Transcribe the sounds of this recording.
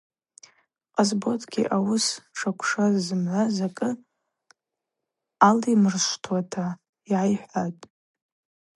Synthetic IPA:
qʼazbo̞tʰɡʲḭʔawʊsʈ͡ʂʰakʷʰʂazːɨmʕʷazakʼɨ | alimɨrʃʷtʰwatʰa | iʕajħʷatʼ

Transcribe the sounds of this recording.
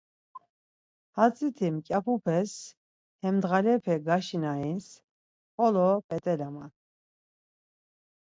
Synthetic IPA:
hat͡sʼit̪ʰimkʼapʰupʰɛs | hɛmd̪ʁalɛpʰɛɡaʃinains | χɔlɔpʼɛt̪ʼɛlama

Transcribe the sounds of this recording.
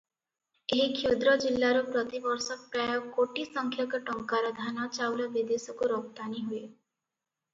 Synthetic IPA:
eɦikʰed̪ɾɔd͡ʒilːaɾɔpɾɔt̪ibɔɾsɔk̚pɾajɔkoʈisɔŋkʰjakɔʈɔŋkaɾɔd̪ʱanat͡ʃawlabid̪esɔkuɾɔkt̪aniɦue

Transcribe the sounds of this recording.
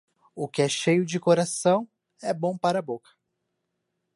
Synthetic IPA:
ʊkɪɛʃejʊd͡ʒɪkoɾasɐ̃w̃ | ɛbõw̃paɾɐabokɐ̥

